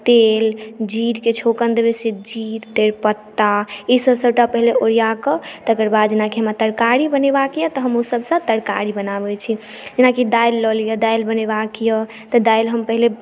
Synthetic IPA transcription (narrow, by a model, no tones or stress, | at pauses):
t̪eld͡ʒiɾket͡ʃʰokənd̪ebesid͡ʒiɾt̪eɾpət̪ːaesəbsəb̚ʈapəɦileʔoɾijakət̪əkəɾbad̪d͡ʒenakeɦəmat̪əɾkaɾibənebakjət̪əɦəmosəbsə̃t̪əɾka̰ɾibənabɛt͡ʃʰi | d͡ʒenakid̪ajlːəlijəd̪ajlbəneβakjə | t̪əd̪ajlɦəmpəɦile